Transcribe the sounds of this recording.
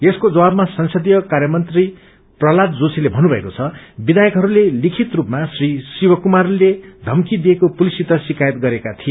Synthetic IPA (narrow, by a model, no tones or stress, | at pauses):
eskod͡zʌwabmasʌnsʌd̪ijʌkarjʌmʌnt̪ri | prʌlat̪d͡zosʰilebʱʌnːubʱʌekot͡sʰʌbid̪ajʌkɦʌɾulelikʰit̪rupmasrisiwʌkumarled̪ʱʌmkid̪ijekopulisit̪asikajʌt̪ɡʌɾekat̪ʰije